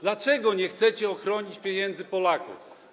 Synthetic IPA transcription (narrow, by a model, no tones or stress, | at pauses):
d̪lat͡ʂɛɡɔɲɛxt̪sɛt͡ɕɛɔxɾɔɲit͡ɕpʲjeɲɛnd̪zɘpɔlakṵf